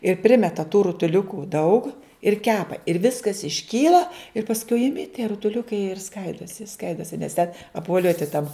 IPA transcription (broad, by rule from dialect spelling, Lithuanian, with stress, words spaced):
ɪr ˈpʲrʲɪmʲɛtɐ tuː rʊtʊˈlʲʊkuː dɐʊk ɪr ˈkʲæːpɐ ɪr ˈʋʲɪskɐs ɪʃʲˈkʲiːlˠɐ ɪr pɐsˈkʊɪ ɪˈmʲɪ tʲiɛ rʊtʊˈlʲʊkɐɪ jiɛ ɪr ˈskɐɪdoːsʲɪ ˈskɐɪdoːsʲɪ nʲɛs tʲɛn ɐpʋoːˈlʲuɔtʲɪ tɐm